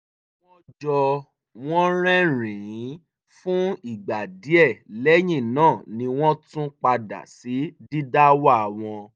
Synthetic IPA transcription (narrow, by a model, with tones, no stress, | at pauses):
w̃ɔ̃˦d͡ʒɔ˧ | w̃ɔ̃˦ɾ̃ɛ̃˦ɾ̃ĩ˨ĩ˨˦ | fũ˦i˦˨ɡ͡ba˨di˨˦ɛ˦˨lɛ˦j̃ĩ˦˨nãː˦˨nĩ˧w̃ɔ̃˦tũ˦k͡pa˧da̰˨si˨˦di˦da˦wa˦a˨w̃ɔ̃˧